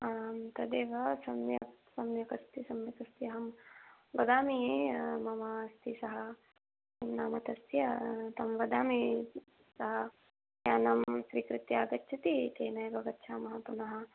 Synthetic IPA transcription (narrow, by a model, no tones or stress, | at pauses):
aːmt̪ɐd̪eːʋɐsɐmjɐksɐmjɐkɐst̪isɐmʋɐk̪ɐst̪jɐɦɐmʋɐd̪aːmimɐmɐst̪isɐɦɐ̆ | imnaːmɐt̪ɐst̪jɐt̪ɐmʋɐd̪aːmi | sɐɦɐ | jaːnɐmsɾiːkɾɪt̪jaːɡɐtːt͡ʃʰɐt̪it̪eːnɐjbʱɐɡɐt̪t͡ʃʰaːmɐɦɐpunɐɦɐ̆